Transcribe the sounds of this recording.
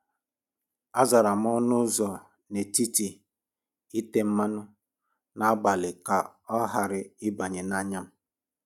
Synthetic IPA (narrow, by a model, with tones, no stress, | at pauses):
a˦za˨ɾa˨m̩˦ɔ˦nʊ˦zɔ˨ | ne˨ti˦ti˨ | i˦te˦m̩˦ma˦nʊ˦ | na˦a˦ɡ͡ba˨lɪ˨ka˨ɔ˦ɦa˨ɾɪ˨ɪ˦ba˨ɲe˨na˦ɲa˦m̩˦